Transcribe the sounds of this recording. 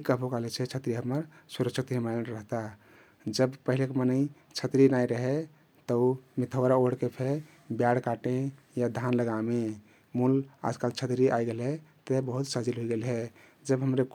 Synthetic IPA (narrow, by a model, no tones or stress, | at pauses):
kəbʱokalet͡ʃʰɛt͡ʃʰət̪ɾiɦəməɾsuɾəksʰikt̪ɦəmaɾəɦt̪a | d͡ʒəbpəɦilekemənəi | t͡ʃʰət̪ɾinaiɾəɦe | t̪əumit̪ʰəɾaoɽkepʰe | bjaɽkaʈẽ | jad̪ʱanləɡame | mula̰d͡ʒkalt͡ʃʰət̪ɾiʔajɡelɦɛt̪ebəɦut̪səd͡ʒilɦoiɡelɦɛ | d͡ʒəbɦəmɾe